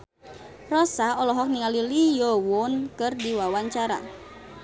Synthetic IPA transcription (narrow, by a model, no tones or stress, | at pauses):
rɔsaɔlɔɦɔk̚niŋalilijɔwʊnkɨrdiwawaɲt͡ʃaɾa̰